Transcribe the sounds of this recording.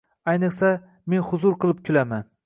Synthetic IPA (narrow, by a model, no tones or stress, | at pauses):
ajnɨχsa | me̞nhʊzʊɾqɨlˠɪp̚kʲʰʊlaman